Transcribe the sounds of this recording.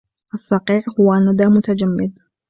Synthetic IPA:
ʔɑsˤːɑqiːʕhʊwanːad̪aːmʊt̪ad͡ʒamːɪd̪

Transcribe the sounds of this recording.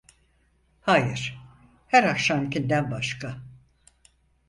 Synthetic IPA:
hajɯɾ̥ | hæɾakʃamicʰʲind̪ænbaʃkʰa

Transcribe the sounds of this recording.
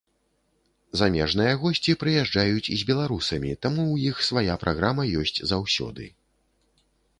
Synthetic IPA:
zamʲɛʐn̪ɨjɐɣɔsʲt͡sʲipɾɨjaʐd͡ʐajut͡sʲizʲbʲɛlˠaɾusɐmʲḭt̪amuwjixsvajapɾʔaɣɾamɐjɔsʲt͡sʲzawsʲɔ̰d̪ɨ̰

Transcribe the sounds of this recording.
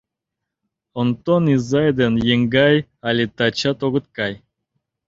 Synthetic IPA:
ont̪onizajd̪enjeŋɡajalʲit̪at͡ʃat̪oɡɨt̪̚kaj

